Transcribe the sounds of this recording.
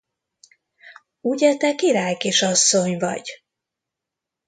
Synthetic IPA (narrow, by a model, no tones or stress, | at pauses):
uɟɛt̪ɛkiɾaːjkiʃɒsːo̞ɲvɒ̰ɟ